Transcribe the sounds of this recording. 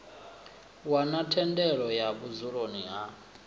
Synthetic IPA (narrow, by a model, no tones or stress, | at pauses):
wanatʰɛndɛɺɔjaβuzuɺoniɦa